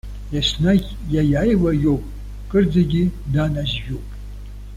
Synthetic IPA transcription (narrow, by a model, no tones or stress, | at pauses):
jasna | jajajlajowpʼ | kʼɨrd͡zaɡʲɪdanaʒʒᶣopʼ